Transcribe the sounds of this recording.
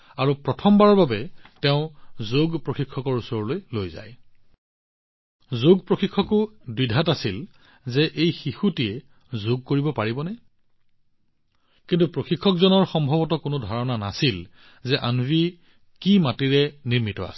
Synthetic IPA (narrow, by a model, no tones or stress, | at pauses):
aɹupɹɔtʰɔmbaɹɔɹbabɛtɛʊ̃zoɡpɹoxikʰːɔkɔɹusɔɹlojlojza̰j | zoɡpɹoxikʰːɔkʊdwidʱatasil | zɛʔejxixutijɛ | zoɡ̚koɹibɔpaɹibɔnɛ | kintupɹoxikʰːɔkzɔnɔɹxɔmbʱɔbɔtɔkʊnʊdʱaɹɔnana̰sil | zɛʔa̰nbʱi | kimatiɹɛniɹmitɔ̰a̰sɛ